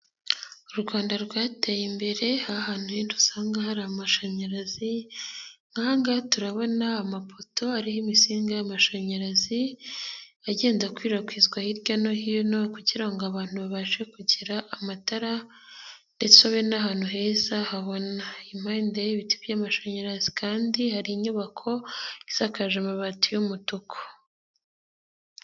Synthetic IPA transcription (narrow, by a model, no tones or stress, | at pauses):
uɾuɡwaːndaɾɡwaːtejimbe̞ɾe̞hahaːn̥hujindusaːŋɡahaɾiamaʃaɲaɾazi | ŋ̥ɡaːŋɡatuɾaβo̞naːmafo̞to̞aɾihimisiːŋɡajamaʃaɲaɾazi | aɟe̞ːnzakwiːɾakwiːzɡwahiɾɟano̞hijonokuɟiɾaŋɡoaβaːn̥huβaβaʒe̞kuɟiɾaʔamataɾa | ndet͡saβenaɦaːn̥huɦe̞zahaβo̞naim̥haːndejiβitibjamaʃoɲaɾazikʰaːndihaɾiːɲuβakʰo̞izakaʒamaβatujumutukʰo̥